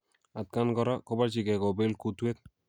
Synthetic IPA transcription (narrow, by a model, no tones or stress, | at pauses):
at̪̚kanɡɔɾakobat͡ʃiɡɛɡɔbelkut̪uet̪̚